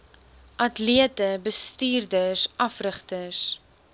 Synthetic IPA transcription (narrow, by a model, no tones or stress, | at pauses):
ʔɐtliətəbəstiːrdəsʔɐfrəχtəs